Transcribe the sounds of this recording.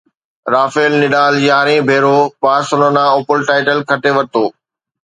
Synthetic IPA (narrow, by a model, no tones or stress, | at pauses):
ɾaːfeːlnɪɗaːljaːɾẽbʱeːɾopaːsʊnonãːopəlʈaːɪʈəlkʰɐʈeʋɐɾt̪oː